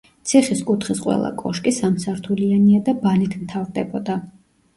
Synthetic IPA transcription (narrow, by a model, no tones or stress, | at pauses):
t̪sʰiχiskʼut̪ʰχisqʼwɛ̰lˠa̰kʼɔʃkʼisamsaɾt̪ʰulianiad̪abanit̪ʰmt̪ʰavɾd̪ɛbɔd̪a